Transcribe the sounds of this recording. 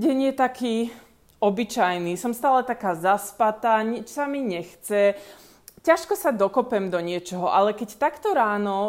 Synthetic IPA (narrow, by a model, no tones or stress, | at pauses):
ɟɛɲjɛt̪akiː | ɔbit͡ʃajnisɔmst̪aːlɛt̪akaːzaspat̪aːɲit͡ʃsamiɲɛxt͡sɛ | caʃkɔsad̪ɔkɔpɛmd̪ɔɲɪɛt͡ʃɔɦɔʔalɛkɛct̪akt̪ɔɾaːnɔ